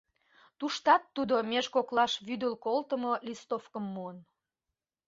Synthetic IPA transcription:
t̪uʃt̪ɑt̪ːud̪omeʒkoklɑʃβyd̪əlkolt̪əmolʲist̪ofkəmːuən

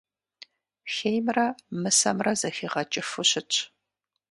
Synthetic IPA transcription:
xejmrɐmɨsɐmrɐzɐxiːʁɐt͡ʃʼɪfɨɕɪt͡ʃʰʼ

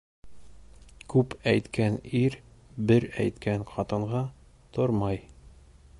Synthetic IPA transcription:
kʉpæjt̪kæniɾbɘɾæjt̪kæŋqʰɒt̪ɤ̆ɴʁɑ | t̪ʰoɾmɑj

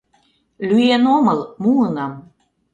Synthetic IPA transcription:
lʲyjenomɤlmuənɑm

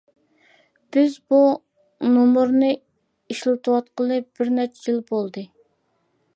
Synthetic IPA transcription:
b̥ɪzbu | nomuɾnɨ | iʃlˠɨt̪ʰuwɑt̪̚qəlˠɨp̚b̥ɪɾnɛt͡ʃʰɛjilbolˠd̪ɨ

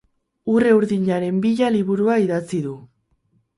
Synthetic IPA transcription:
ure̞uɾðiɲaɾe̞mbiʎaliβuɾuaiðat͡siðu

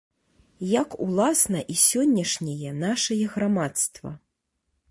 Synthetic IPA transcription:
jakulˠasnɐʔisʲɔnʲːɐʂnʲɛjɛnaʂɐjɛɣɾamat̪st̪vɐ̰

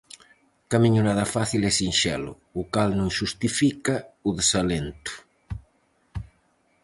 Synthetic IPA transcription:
kamiɲʊnaðɐfaθilɛsinʃɛ̰lʊ̰ːkalnõŋʃust̪ifikauðesalent̪ʊ̥

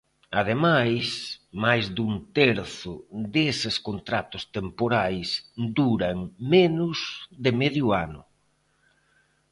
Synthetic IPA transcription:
aðemajsmajzd̪unt̪eɾθʊd̪esɪskont̪ɾat̪ʊst̪empoɾajsd̪uɾaŋmenʊzðɪmeðjʊanʊ̰

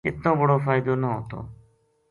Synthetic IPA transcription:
ɪt̪ːõːbəɽoːfʰaːid̪oːnəɦoːt̪o̰ː

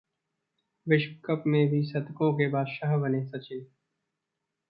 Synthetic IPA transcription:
ʋɪʃkkəpmẽbʱisɐt̪kõkebaːd̪ʃaːɦbənẽːsɐt͡ʃɪ̃

